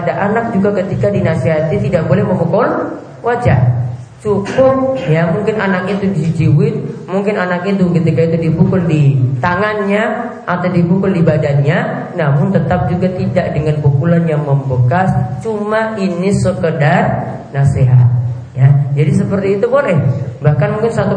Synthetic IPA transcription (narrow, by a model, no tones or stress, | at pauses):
padaʔanak̚d͡ʒuɡakət̪ikadinaseɦat̪it̪idak̚bolɛhməmokʊl | wad͡ʒa | t͡ʃukʊp̚jamuŋkɪnʔanakit̪udid͡ʒiwɪt̪̚muŋkɪnanakit̪ukət̪ikait̪udibukʊldit̪aŋanɲa | ʔat̪awdibukʊldibadanɲa | namʊnt̪ət̪ap̚d͡ʒuɡat̪idaʔdəŋanpukulanjaŋməmbəkast͡ʃumaʔinisəkədar | naseɦa̰t̪̚ | jad͡ʒadis̬əpərt̪iːt̪upɔɾɛhbahkanmuŋkɪnsat̪u